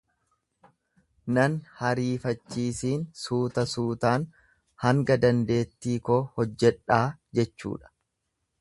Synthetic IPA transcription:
nɐnhɐɾiːfɐt͡ʃːiːsiːnsuːt̪ɐsuːt̪aːn | hɐŋɡɐd̪ɐnd̪e̞ːt̪ːiːkoːhɔd͡ʒːɛᶑaːd͡ʒɛt͡ʃːṵːᶑɐ̥

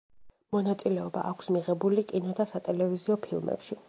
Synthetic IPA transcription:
mɔnat̪sʼilɛɔba̰ʔakʷʰsmiʁɛbulikʼinɔd̪asat̪ʼɛlɛviziɔpʰilˠmɛ̰pʃi

